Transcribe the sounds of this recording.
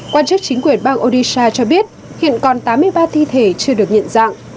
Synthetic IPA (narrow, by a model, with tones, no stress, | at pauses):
kwaː˧nt͡ɕɨ˦˥k̚t͡ɕi˨˦ŋkwi˧˩ənɓaː˧ŋʔo˧ɗi˧saː˧t͡ɕɔ˧ɓi˦˥ət̚ | hḭ˧˨ənkɔ˨˩nt̪aː˨˦mːɨ˧əjɓaː˧t̪ʰi˧t̪ʰe˨˩t͡ɕɨ˧əɗɨ˨˩ək̚ɲə̰˧˨nza̰ː˧˨ŋ